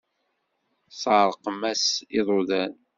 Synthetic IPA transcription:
sˤɑʕɾˤəqmæsiðˤoðæn

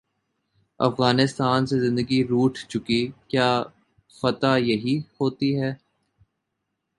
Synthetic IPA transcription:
ɐ̰fɣaːnɪst̪aːnsezɪ̃nd̪əɡiɾuːʈʰt͡ʃʊkikjaː | fɐt̪ajɐɦihoːt̪iɦɛː

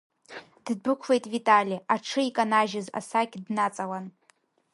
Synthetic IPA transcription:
d̥bɨkʷʰve̞jtʼvitʼalʲiaʈ͡ʂʰɨikʼanaʒɪza̰sakʲdnat͡sʼalan

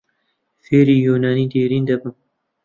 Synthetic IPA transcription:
feːɾiːjuːnaːniːd̪eːɾiːnd̪ɐbɨm

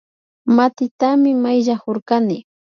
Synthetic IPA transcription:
mat̪ɪt̪amɪmajʎahoɾkanɪ

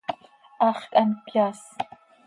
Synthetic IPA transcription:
aχkʼɐnpʰjaːs

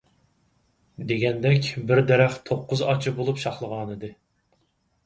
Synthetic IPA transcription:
d̪eɡʲɛnd̪ɛkʲbɪɾd̪ɛɾæχt̪ʰoqʰːʊzɑt͡ʃʰɨbolˠupʃɑχlˠəʁɑːnɨd̪ɨ

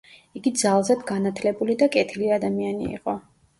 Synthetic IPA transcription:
iɡid̪zalˠzad̪ɡanat̪ʰlɛbulid̪akʼɛt̪ʰiliad̪amianḭḭqʼɔ

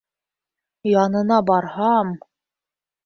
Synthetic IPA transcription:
jɑnɤ̆nɑbɑɾhɑm

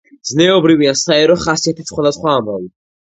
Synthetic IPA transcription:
znɛɔbɾiviasaɛɾɔχasiat̪ʰisχwad̪asχwaːmavi

